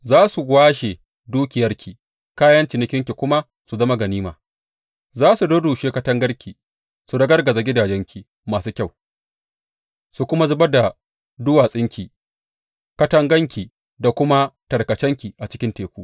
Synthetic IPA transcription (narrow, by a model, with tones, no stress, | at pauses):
zaː˦su˨ɡʷaː˦ʃe˨ | duː˦kʲɪ˨jɐ˦rkʲʰi˨ | kaː˦jɐ˦nt͡ʃɪ˨nɪ˦kʲɪ˦ŋkʲi˨kʷʊ˦ma˦ | su˨zɐ˦ma˦ɡɐ˨niː˦maː˨ | zaː˦su˨doː˦duː˨ʃeː˦kɐ˦tɐ˦ŋɡɐ˦rkʲʰi˨ | su˨dɐ˦ɡɐ˦rɡɐ˨za˨ɡʲɪ˦daː˨d͡ʒɛ˦ŋkʲi˨ | maː˨suː˦kʲa˦˨w | su˨kʷʊ˦ma˦zʊ˦ba˦da˨ | dʊ˦waː˨sʼɪ˦ŋkʲiː˨ | kɐ˦tɐ˦ŋɡɐ˦ŋkʲi˨ | da˨kʷʊ˦ma˦tɐ˨rkɐ˨t͡ʃɛ˦ŋkʲi˨ʔa˨t͡ʃɪ̥˦kʲɪ˦nteː˨kʷuː˦